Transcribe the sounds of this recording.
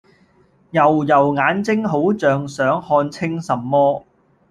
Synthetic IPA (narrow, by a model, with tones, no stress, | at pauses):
jɐ˨˩wjɐ˨˩wŋaː˨˥nt͡sɪ˥ŋɦo˨˥wt͡sœː˨ŋsœː˨˥ŋhɔː˧nt͡sʰɪ˥ŋsɐ˨mːɔː˥